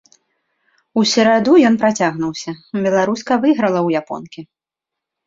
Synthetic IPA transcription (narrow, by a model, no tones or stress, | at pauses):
usʲɛɾad̪ujɔnpɾat͡sʲaɣnuwsʲɐbʲɛlˠaɾuskɐvɨɣɾɐlˠɐwjapɔ̰nkʲi